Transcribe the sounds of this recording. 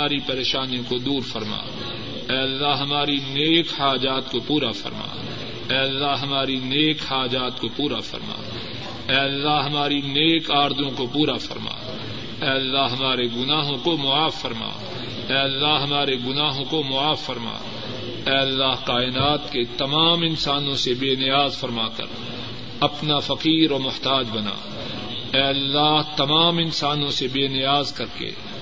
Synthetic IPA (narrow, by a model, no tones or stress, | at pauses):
aːɾipɐɾeːʃaːnijõkod̪uːɾfɐɾma̰ː | ɛːɐlːaɦɐmaːɾineːkhaːd͡ʒaːt̪kopuːɾafɐ̰ɾma̰ː | ɛːɐlːaɦɐmaːɾineːkhaːd͡ʒaːt̪kopuːɾafʰɐ̰ɾma̰ː | ɛːlːaɦɦɐmaːɾineːkaːɾd̪õkopuːɾafɐ̰ɾma̰ː | ɛːɐlːaɦɐmaːɾeɡʊnaːɦõkomʊaːfːɐɾma̰ː | ɛːɐlːaɦɦɐmaːɾeɡʊnaːɦõkomʊaːfːɐɾma̰ː | ɛːɐlːaːɦqaːɪnaːt̪ket̪ɐmaːmɪ̃nsaːnõsebeːnɪjaːzfɐɾmaːkɐ̰ɾ | ɐpnafɐqiːɾomʊht̪aːd͡ʒbɐna̰ː | ɛːɐlːaːɦt̪ɐmaːmɪ̃nsaːnõsebeːnɪjaːzkɐɾkḛː